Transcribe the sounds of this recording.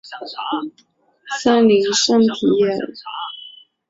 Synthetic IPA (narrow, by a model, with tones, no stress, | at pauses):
sa˥nli˧˥ŋʂə˥˩nt̪ʰi˨˥jɛ˥˨˩n